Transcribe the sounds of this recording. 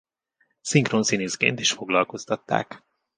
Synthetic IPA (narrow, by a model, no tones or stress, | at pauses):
siŋkronsiniskḛːnt̪iʃfo̞ɡlɒlko̞st̪ɒt̪ːa̰ːk